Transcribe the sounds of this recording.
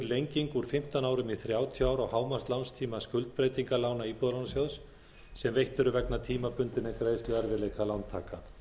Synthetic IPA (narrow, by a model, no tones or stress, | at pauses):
lejɲciŋkuɾ̥fɪm̥t̪anaːwɾʏmiθɾjaːwt̪ʰiaːwɾɔɣhaːwmast̪lanst̪ʰiːmaskʏlt̪̚pɾejt̪iŋkalaːwnaipɔðlawnasjawðs | sɛmvejht̪ʏɾʏvɛknat̪ʰiːmapʏnt̪ɪnɛkɾeːjst̪lʏɣaɾvɪleːjkʰalant̪ʰa̰ːka